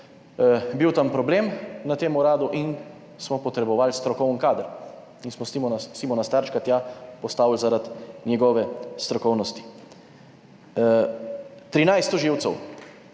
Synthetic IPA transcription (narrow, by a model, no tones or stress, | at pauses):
biwt̪ampɾɔbleːmnat̪eːmuɾaːd̪uʔin | smɔpɔt̪ɾɛbɔʋalst̪ɾɔkɔwnkaːd̪əɾ | insmɔsimɔnasimɔnast̪aɾt͡ʃkat̪jaːpɔst̪aːwlzaɾat̪nʲjɛɡɔʋɛst̪ɾɔkɔwnɔst̪i̥ | t̪ɾinajst̪ɔʒiːwt̪sɛw